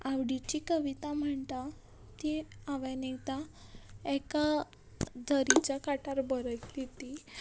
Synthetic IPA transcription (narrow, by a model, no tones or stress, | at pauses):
aʋɽit͡ɕikəʋit̪am̤əɳt̪a | t̪iaʋanet̪a | eka | d̪ʱəɾit͡ɕakaʈaɾbəɾək̪lit̪i